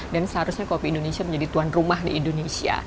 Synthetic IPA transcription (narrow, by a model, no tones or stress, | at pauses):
dansəɦaɾʊsɲakopiːndonesiaməɲd͡ʒadit̪uanrumaɦdḭːndonesia̰